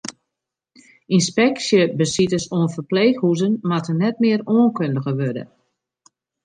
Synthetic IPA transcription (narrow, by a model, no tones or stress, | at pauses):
inspɛksjəbəsitəsoːənfərpleːxhuzənmatənɛt̚mɪəɾoənkøndəɣəʋødə̰